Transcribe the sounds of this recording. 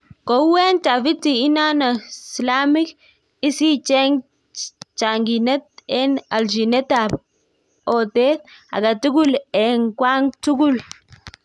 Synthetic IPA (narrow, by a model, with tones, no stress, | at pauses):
ko˨we˦nta˨fi˦t̪ːi˨i˦na˦na˨sla˦mi˦k | i˦si˦t͡ʃe˦ŋ | t͡ʃa˨ŋɡi˨ne˦t̪e˦na˨ld͡ʒi˨ne˦t̪ab | o˨t̪e˦t̪a̰˨ɡa˨tu˦ɡu˦le˨ŋkwa˦ŋtu˦ɡu˦l